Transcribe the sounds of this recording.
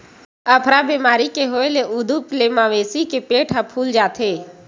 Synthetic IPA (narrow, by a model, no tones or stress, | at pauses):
əpʰɾabeːmaːɾikeɦoːeleʔud̪upleːmaʋeːsikepeːʈʰɦəpʰuːld͡ʒaːt̪ʰeː